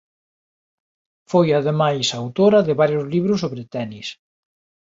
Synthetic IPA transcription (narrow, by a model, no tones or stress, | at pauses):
fojaðemajsaːwt̪oɾɐðɪβaɾjʊzliβɾʊsoβɾɪt̪ɛnis